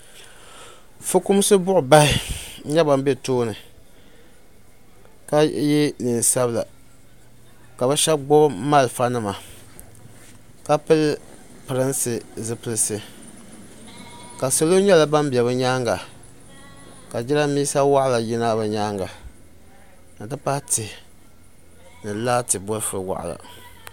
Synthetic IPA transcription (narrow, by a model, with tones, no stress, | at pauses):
fɨ˦ku˦m˦sɨ˦bʊ˦ʔʊ˨ba˦ɪ˦ɲɛ˦ba˨m˦be˦toː˦nɨ˨ | ka˦ji˦nɨ˨n˨sa˦bla̰˨ | ka˨bɛ˦ʃɛ˦bɡ͡bo˦bma˦lfa˦nɨ˦ma˨ | ka˦pɨ˦l | pɨ˨ɾɨ˦nsɨ˨zɨ˨pɨ˨lɨ˦sɨ˦ | ka˨so˨lo˦ɲɛ˦la˨ba˦mbɛ˨βɨ˦ɲaː˦ŋɡa˨ | ka˨d͡ʒi˦ɾa˦miː˦sa˦wa˦ʔla˨jɪ˦na˦bɨ˨ɲaː˦ŋɡa˨ | nɨ˨tɨ˦pa˦tɨ˨ | nɨ˨laː˦tɨ˨bo˦lfɨ˨˦wa̰˨ʔla̰˨